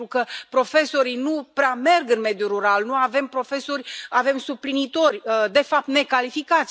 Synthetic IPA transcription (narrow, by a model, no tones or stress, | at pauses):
ɾukəpɾo̞fe̞so̞ɾijnupɾeame̞rɡɨnme̞d̪juɾuɾalnuave̞mpɾo̞fe̞so̞rʲave̞msuplinit̪o̞rʲd̪e̞fap̚t̪ne̞kalifikat̪sʲ